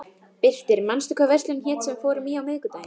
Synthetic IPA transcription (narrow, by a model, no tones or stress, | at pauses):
pɪl̥t̪ɪɾmanst̪ʏkavɛr̥st̪lʏnçɛːt̪sɛmfɔːɾʏmiːawmɪðkʏt̪aːj